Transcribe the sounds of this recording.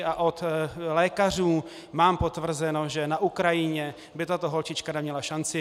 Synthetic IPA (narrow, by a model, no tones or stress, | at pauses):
ʔaʔo̞t̪lɛːkar̝uː | maːmpo̞t̪vr̩zɛno̞ʒɛnaʔukɾajɪɲɛ | bɪt̪at̪oɦo̞lt͡ʃɪt͡ʃkanɛmɲɛlaʃant͡sɪ